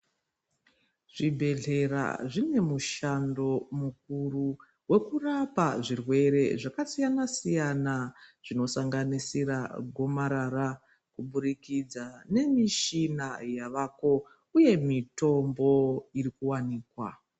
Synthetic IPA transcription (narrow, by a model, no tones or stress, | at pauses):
ʐ̥ibʱe̞ɮe̞ra̰ʐine̞muʃando̞muk̚uru | we̞kurapaʐirwe̞ɾe̞ʐakasijanasijanaʐ̥ino̞saŋɡanisiɾa̰ɡʱo̞maɾaɾa | kuɓuɾikid͡zane̞miʃinajaʋaːko̞ | uje̞mito̞mbo̞irikuwaniːkwa